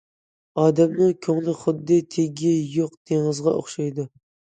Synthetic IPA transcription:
ɑːd̪ɛmnɨŋkʲʰøŋlˠɪχʊd̪ːɪt̪ʰeɡʲijoqt̪ʰeŋɨzʁɑʔo̰χʃɑjd̪u

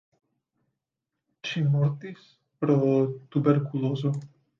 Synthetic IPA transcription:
t͡ʃinmɔɾt̪is | pɾɔt̪ubeɾkuloːzo

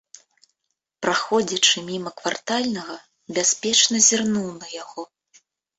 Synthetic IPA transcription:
pɾaxɔd͡zʲɐt͡ʂɨmʲimɐkvart̪alʲnɐɣɐ | bʲasʲpʲɛt͡ʂnɐzʲirnuwnɐjaɣɔ

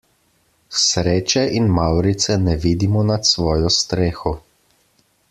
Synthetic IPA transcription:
sɾeːt͡ʃɛʔinmawɾit̪sɛnɛʋiːd̪imɔnat̪sʋɔːjɔst̪ɾeːxɔ

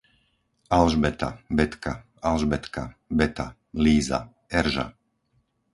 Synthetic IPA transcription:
alʒbɛt̪a̰bɛt̪ka | alʒbɛt̪kabɛt̪a̰ | liːza̰ | ɛɾʒa̰

